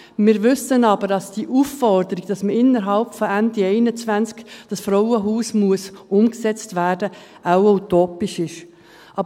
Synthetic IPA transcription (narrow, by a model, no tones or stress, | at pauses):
mɪːɾʋʏsənɑbəɾdɑsd̥iʔufːɔɾdəɾiɡ̥d̥ɑsməɪnːəɾɦɑlpfɔændiɛɪnət͡svænt͡skd̥ɑsfɾɔwəɦuːsmuəsʊmksɛt͡stvæːɾd̥ə | ʔaʊwoʊt̪oːpiʃɪʃ | ʔɑ